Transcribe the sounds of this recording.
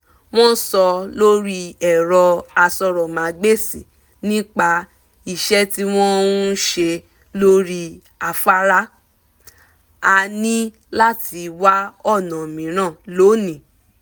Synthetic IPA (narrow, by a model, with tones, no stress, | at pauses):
w̃ɔ̃˦sɔ˧lo˦ɾi˦ɛ˨ɾɔ˧a˧sɔ˧ɾɔ˨mã˨˦ɡ͡be˦˨sḭ˨ | nĩ˦k͡pa˧ | i˨ʃɛ˦ti˦w̃ɔ̃˦ũ˦ʃe˧ | lo˦ɾi˦ | a˧fa˦ɾa˦ | a˧nĩ˦ | la˦˨ti˧wa˦ɔ˦˨nã˨mĩ˨˦ɾ̃ã˦˨lo˨˦nĩ˨